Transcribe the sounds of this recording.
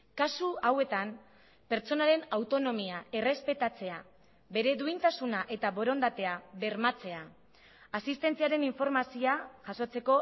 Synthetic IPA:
kasuawe̞t̪am | pe̞ɾt͡so̞naɾe̞nawt̪o̞no̞miae̞re̞spe̞t̪at͡se̞a | be̞ɾe̞ðuint̪asunaʔe̞t̪aβo̞ɾo̞nd̪at̪e̞aβe̞ɾmat͡se̞a | asist̪e̞nt͡siaɾe̞niɱfo̞ɾmasioaʝ̥aso̞t͡se̞ko̞

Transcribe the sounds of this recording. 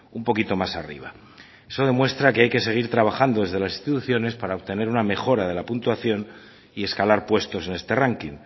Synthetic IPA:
umpo̞kit̪o̞masa̰rḭβ̞a | e̞so̞ðe̞mwe̞st̪ɾake̞ajke̞se̞ɣ̞iɾt̪ɾaβ̞axand̪o̞ðezðe̞lasi̥st̪it̪uθjo̞ne̞spaɾaoβt̪e̞ne̞ɾuname̞xo̞ɾað̞e̞lapunt̪waθjo̞n | ie̞skalaɾpwe̞st̪o̞se̞ne̞st̪e̞raŋkiŋ

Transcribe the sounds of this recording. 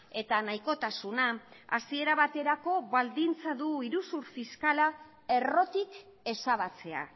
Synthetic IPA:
e̞t̪anajko̞t̪asunaa̰sie̞ɾaβat̪e̞ɾako̞βald̪int͡saðuiɾusuɾfiskala | e̞ro̞t̪ik | e̞saβat͡se̞a̰

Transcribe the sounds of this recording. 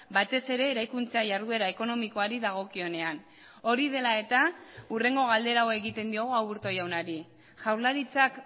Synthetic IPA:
bat̪e̞se̞ɾe̞ːɾajkunt͡saʝaɾðue̞ɾaeko̞no̞miko̞aɾiðaɣ̞o̞kio̞ne̞an | o̞ɾiðe̞lae̞t̪aure̞ŋɡo̞ɣ̞ald̪e̞ɾawe̞ɣit̪e̞nd̪io̞ɣ̞uawβuɾt̪o̞jawnaɾi | ʝawɾlaɾit͡sak

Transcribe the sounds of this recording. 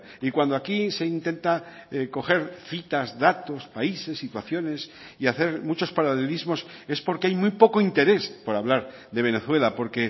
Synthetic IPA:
ikwand̪oakise̞int̪e̞nt̪ako̞xe̞ɾθit̪azðat̪o̞spaise̞sːit̪waθjo̞ne̞s | iaθe̞ɾmut͡ʃo̞spaɾale̞lizmo̞s | e̞spo̞ɾkeajmujpo̞ko̞int̪e̞ɾe̞spo̞ɾaβ̞laɾ | ðe̞β̞e̞ne̞θwe̞lapo̞ɾke̞

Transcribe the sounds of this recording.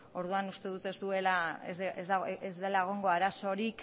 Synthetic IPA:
o̞ɾðuanust̪e̞ðut̪e̞zd̪ue̞lazezd̪e̞laeɣ̞oŋɡo̞aɾaso̞ɾik

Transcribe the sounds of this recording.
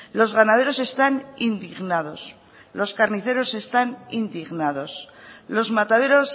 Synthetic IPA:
lo̞zɣanað̞e̞ɾo̞se̞st̪anind̪iɣnaðo̞s | lo̞skaɾniθe̞ɾo̞se̞st̪anind̪iɣnaðo̞slo̞zmat̪aðe̞ɾo̞s

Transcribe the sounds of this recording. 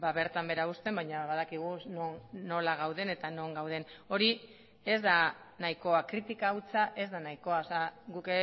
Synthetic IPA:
baβe̞ɾt̪ambeɾaɣust̪e̞mbajɲaβaðakiɣ̞unonno̞laɣ̞awðe̞net̪ano̞ŋɡawð̞e̞no̞ɾi | e̞zða | naiko̞akɾit̪ikaut͡saʔe̞zðanaiko̞aoseaɡuke

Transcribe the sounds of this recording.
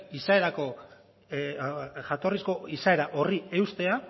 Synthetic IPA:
isae̞ɾako̞ | ʝat̪o̞risko̞isae̞ɾaʔo̞rie̞wst̪e̞a

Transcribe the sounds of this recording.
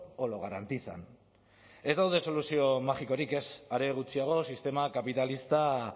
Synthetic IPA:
oloɣaɾant̪it͡sa̰n | e̞zd̪awð̞e̞so̞lusio̞maʝiko̞ɾike̞saɾe̞ɣ̞ut͡siaɣ̞o̞sist̪e̞makapit̪alist̪a

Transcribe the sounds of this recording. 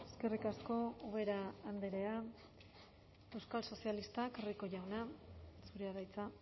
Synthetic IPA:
e̞ske̞rikasko̞oβe̞ɾaːnd̪eɾea | e̞wskalso̞sialist̪akoriko̞ʝawnasuɾeaðajt͡sa

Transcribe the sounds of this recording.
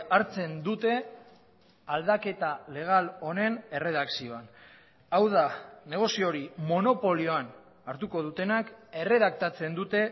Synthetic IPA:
aɾt͡se̞nd̪ut̪e̞ | ald̪ake̞t̪ale̞ɣ̞alo̞ne̞ne̞re̞ðaksio̞an | awðane̞ɣ̞o̞sio̞ɾimo̞no̞po̞lio̞an | aɾt̪uko̞ð̞ut̪e̞nake̞re̞ðak̚t̪at͡se̞nd̪ut̪e̞

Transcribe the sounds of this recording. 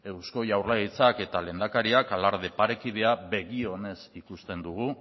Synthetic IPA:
e̞wsko̞jawrlait͡sake̞t̪ale̞nd̪akaɾiakalaɾðepaɾe̞kið̞e̞aβe̞ɣio̞ne̞sikust̪e̞nd̪uɣu

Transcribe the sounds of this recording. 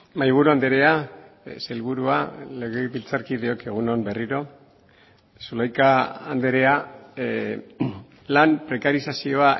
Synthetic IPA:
majβ̞uɾuand̪eɾe̞a | selβuɾualeɣeβilt͡saɾkið̞eo̞ke̞ɣ̞uno̞mberiɾo̞ | sulajkaand̪eɾe̞a | lampɾe̞kaɾisasio̞a

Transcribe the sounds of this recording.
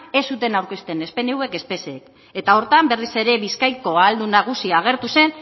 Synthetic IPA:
e̞sut̪e̞nawɾke̞st̪e̞ne̞spe̞newe̞ke̞spe̞sek | e̞t̪ao̞ɾt̪ambe̞rise̞ɾe̞βiskajko̞ald̪unaɣ̞usiaːɣ̞e̞ɾt̪use̞n

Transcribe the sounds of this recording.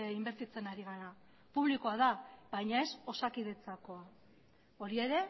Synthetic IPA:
imbe̞ɾt̪it͡se̞naɾiɣ̞aɾa | puβlikoaðaβajɲae̞so̞sakið̞e̞t͡sako̞a | o̞ɾie̞ɾe̞

